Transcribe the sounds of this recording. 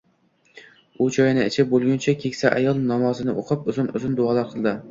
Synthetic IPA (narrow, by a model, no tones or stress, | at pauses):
ʊt͡ʃʰɒjɪnɪɪt͡ʃʰɪbolˠɡʲʊnt͡ʃʰakʲʰekʲsaʔajɒlˠnɒmɒzɪnɪʔo̰qʰɨpʊzɪnʊ̰zɪnd̪ʊɒlˠaɾqʰɨlˠd̪ɪ